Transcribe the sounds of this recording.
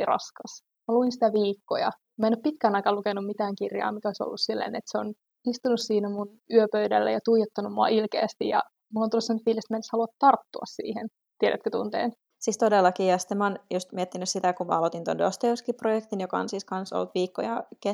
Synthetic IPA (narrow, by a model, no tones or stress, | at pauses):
irɑ̰skɑs | mæluinsi̥t̪æʋiːkːo̰jɑ̰ | mæenoppit̪kæːnɑikɑlukenːummit̪æːŋkirjɑ̰ːmikæoiso̰lːussilːḛːnḛt̪seon | ist̪unussiːnæmun | yøpøydælːæ̰jɑt̪uijet̪ːɑnummuɑ̰ʔilkḛːst̪ijɑ̰ | mulont̪ulːusɑmnyt̪ʋiːliset̪mæeneshɑluɑt̪tɑrt̪ːuɑssḭːhḛn | t̪ieɾæ̰t̪køt̪ṵnt̪ḛːn | siːst̪odelːɑkiːɑst̪emɑːnjust̪miet̪ːinyssit̪ækummɑ̰ɑlot̪int̪ondost̪euskiprojekt̪injokɑo̰nsiːskɑnso̰lt̪ʋiːkːo̰jɑ̰ke